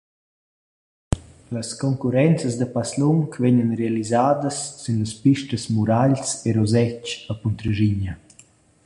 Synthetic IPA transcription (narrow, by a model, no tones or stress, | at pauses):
ləskɔŋkuɾɛnt͡səzd̪əpasluŋkvɛɲənrealizaːd̪əsːynləspiʃtəsmuɾaʎseɾɔzɛt͡ʃəpunt̪ɾəʒiɲə